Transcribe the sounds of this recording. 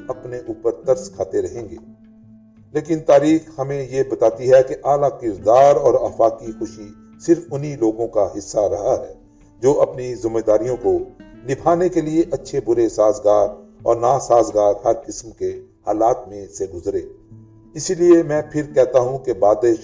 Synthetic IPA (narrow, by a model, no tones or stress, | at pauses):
ɐpneʔuːpəɾt̪ɐɾskʰaːt̪eɾɐɦẽːŋɡḛː | leːkɪnt̪aːɾiːxhɐmẽjebɐt̪aːt̪iɦɛkeʔaːlakɪɾd̪aːɾɔːɾaːfaːkixʊʃi | sɪɾfʊniloːɡõkaɦɪsːaɾɐɦaɦɛː | d͡ʒoːʔɐpnizɪmːeːd̪aːɾijõkonɪbʰaːnekelieʔɐtːʃʰebʊɾesaːzɡaːɾɔ̰ːɾnaːsaːzɡaːɾɦɐɾkɪsmkehaːlaːt̪mẽseɡʊzɾeː | ɪsiliemɛ̃ːpʰɪɾkɛɦt̪aɦũkebaːd̪eːʃ